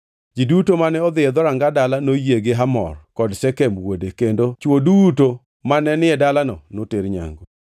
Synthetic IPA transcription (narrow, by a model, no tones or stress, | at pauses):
d͡ʒidutomanɛɔd̪ɪɛd̪ɔɾaŋɡadalanojeɡeɦamɔ̰rkɔdsɛkɛmwodekendot͡ʃwoduto | manɛnɪɛdalanɔnoteɾɲa̰ŋɡɔ